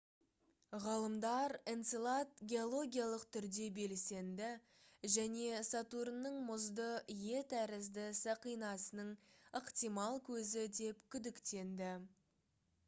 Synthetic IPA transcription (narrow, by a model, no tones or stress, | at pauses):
ʁɑlˠəmd̪ɑɾent̪silˠat̪ɡʲeo̞lˠo̞ɡʲijalˠəqt̪ʰʏɾd̪e̞be̞lse̞nd̪ɪ | ʒæne̞sɑt̪uɾənːəɴmʊzd̪əje̞t̪æɾɪzd̪ɪsəqijnɑsənəɴəqt̪ijmɑlˠkʲʰɵzɪd̪e̞pkʲʰʏd̪ɪkt̪e̞nd̪ɪ